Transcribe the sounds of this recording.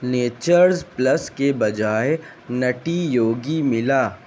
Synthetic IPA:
neːt͡ʃəɾzplɐskebɐd͡ʒaːe | nɐʈijoːɡimɪlaː

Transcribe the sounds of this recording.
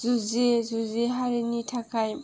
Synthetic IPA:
zuzezuzeɦaɾinitʰakʰaj

